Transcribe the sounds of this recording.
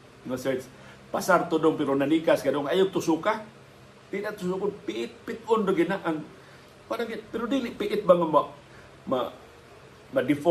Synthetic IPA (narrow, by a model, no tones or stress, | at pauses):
ŋɔsas | pasart̪udʊŋpiɾunanikaskadɔŋajut̪usuka | tinaʔt̪ussukunpiʔɪt̪̚pit̪̚ɔndoɡinaʔan | padaŋipiɾudiliʔpiʔːt̪̚baŋamaʔ | ma̰ | madif